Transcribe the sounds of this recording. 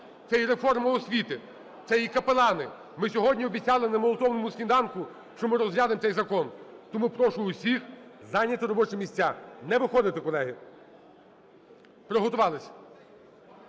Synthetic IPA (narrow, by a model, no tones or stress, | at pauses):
t̪sɛjiɾefɔrmɐɔsʲʋʲit̪ɪ | t̪sɛjikɐpelˠɑnɪ | mɪsʲɔɦɔdʲnʲiɔbʲit̪t͡sʲɑlˠɪnɐmɔlˠɔt̪ɔʋnɔmʊskʲind̪ɑnkʊ | ʃt͡ʃɔmɪɾɔzɦlʲjɑd̪ɪmt̪ɛjzɐkɔnt̪ɔmupɾɔʃʊʊsʲixzɑnʲːɐt̪ɪɾɔbɔt͡ʃɪmʲisʲt͡sʲːanɛʋɪxɔd̪ɪt̪ɪkɔlˠɛɦɪ | pɾɔɦɔt̪ʊʋɑlˠɪsʲɐ̥